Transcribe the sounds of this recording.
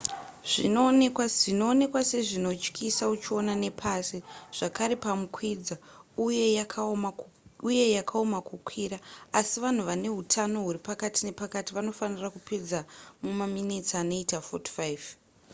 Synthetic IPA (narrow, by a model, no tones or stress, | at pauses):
ʐ̥ino̞ːnekwaino̞ːne̞kwase̞ʐino̞t͡ʃkʰisaut͡ʃio̞nane̞pʰasiʐ̥akaɾepamukwid͡zauje̞jakʰama | uje̞jakʰaomakukʰwiraasiʋan̤uʋane̞ɦutʰano̞ɦuɾipakatine̞pakatiʋano̞fanirakuped͡zamumaminit͡sano̞itafoti̥faiv